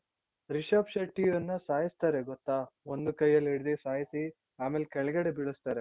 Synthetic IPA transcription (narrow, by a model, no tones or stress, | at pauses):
ɾiʃaːpʃɐʈːiɐnːɐsaːjist̪aːɾeɡɔt̪ːaːond̪ukɐjːɐlːiɽid̪esaːjisi | aːmeːlekɛɭɐɡɐɽebiɭust̪aːɾe